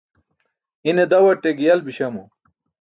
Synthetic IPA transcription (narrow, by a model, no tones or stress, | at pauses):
ined̪ɐwɐʈːeɡijɐlbiɕɐmu